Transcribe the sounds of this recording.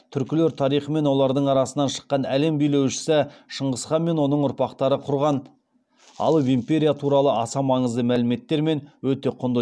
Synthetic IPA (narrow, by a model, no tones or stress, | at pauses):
t̪ʰʏɾkʲɪle̞ɾt̪ʰɑɾijχəme̞nwo̞lˠɑɾd̪əɴɑɾɑsənɑnʃə̥qːɑnæle̞mbijle̞wʃɪ̥sɪʃəɴʁəsχɑnme̞nwo̞nəɴʊɾpɑqt̪ɑɾəqʰʊɾʁɑn | ɑ̰lˠvimpʲeɾʲijat̪ʰuɾɑlˠəɑsɑmɑɴəzd̪əmælɪme̞t̪ːe̞ɾme̞nwɵt̪e̞qʰʊnd̪ə